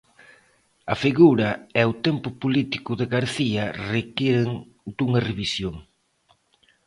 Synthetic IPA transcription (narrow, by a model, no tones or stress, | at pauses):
ɐfiɣuɾɐɛʊt̪empʊpulit̪i̥kʊðeɣaɾθiɐrekiɾeŋ | d̪uŋɐreβisjoŋ